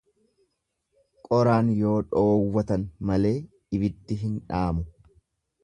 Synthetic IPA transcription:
kʼɔɾaːnjo̞ːᶑoːwːɐt̪ɐnmɐle̞ː | ɪbɪd̪ːɪɦɪnᶑaːmʊ

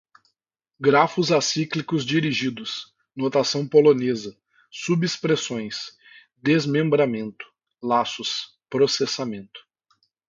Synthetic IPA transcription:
ɡɾafʊzasiklikʊzd͡ʒiɾiʒid̪ʊs | not̪asɐ̃w̃polonezɐ | subispɾesõj̃s | d̪ezmẽmbɾamẽnt̪ʊ̥ | lasʊs | pɾosesamẽnt̪ʊ̥

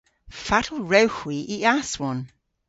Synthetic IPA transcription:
fatʰl̩ˠɹɛwxwiʔiaswɔn

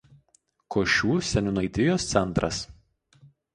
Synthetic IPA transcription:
koːʃʲuːsʲɛnʲʊnɐɪd̪ʲɪjoːst̪sʲɛnˑt̪ɾʔɐ̰s

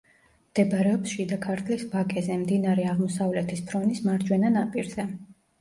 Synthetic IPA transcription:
md̪̥ɛbaɾɛɔpsʃid̪akʰaɾt̪ʰlisbakʼɛzɛmd̪inaɾɛaʁmɔsavlɛt̪ʰispʰɾɔnismaɾd͡ʒwɛnanapʼiɾzɛ

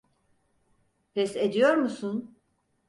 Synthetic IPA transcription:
fɛsed̪ijo̞ɾmusun

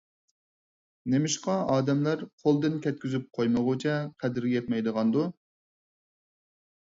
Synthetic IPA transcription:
nemɪʃqɑɑːd̪ɛmlæɾqʰolˠd̪ɨnkʲʰɛt̪̚kʲyzyp̚qʰojməʁʊt͡ʃʰɛqʰæd̪ɪɾɡʲɛjɛt̪̚mɛjd̪əʁɑnd̪u

